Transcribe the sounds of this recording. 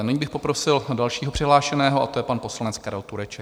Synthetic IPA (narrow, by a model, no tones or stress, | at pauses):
nɪɲbɪxpo̞pɾo̞sɪldalʃiːɦopr̝̥ɪɦlaːʃɛnɛːɦoʔa̰t̪ojɛpanpo̞slanɛt͡skaɾɛlt̪uɾɛt͡ʃɛk